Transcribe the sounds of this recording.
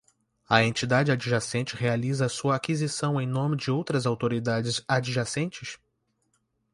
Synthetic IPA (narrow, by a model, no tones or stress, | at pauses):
ɐẽnt͡ʃid̪ad͡ʒɪad͡ʒiʒasẽt͡ʃɪhealizɐːsuɐakizisɐ̃w̃ẽj̃nõmɪd͡ʒɪowt̪ɾɐzawt̪oɾid̪ad͡ʒɪzad͡ʒiʒasẽnt͡ʃɪs